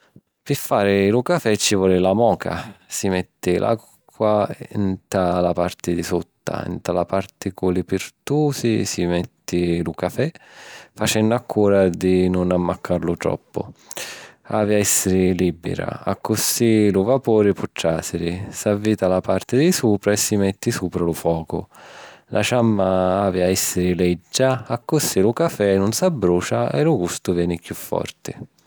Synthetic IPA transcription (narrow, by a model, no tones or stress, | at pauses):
pɪfːaːɾɪlʊkafɛt͡ʃːivɔːlɪlamɔːka̰simɛt̪ːɪlʔa̰ | kːwaint̪alapart̪ɪd̪isut̪ːa̰ḭnt̪alapart̪ɪkulɪpɪɾt̪uːsisimɛt̪ːɪlʊkafɛfat͡ʃɛnːʊakʰːuːɾad̪ɪnʊnamːakʰːaɾlʊt̪ɾɔ̰pːʊ̰ | aːviaɛsːɪɾɪliːbɪ̰ɾa̰a̰kːʊsilʊvapuːɾɪpuʈ̪ːɾaːsɪɾɪsavːiːt̪alapart̪ɪd̪ɪsuːpɾaɛsːimɛt̪ːɪsuːpɾalʊfwɔːkʊ̰lʔa̰ʃamːaaːviaɛsːɪɾɪlɛd͡ʒːaːkːʊsilʊkafɛnʊnsabːɾuːt͡ʃaɛ̰lʊɡust̪ʊvjɛːnɪkjufːɔ̰rt̪ɪ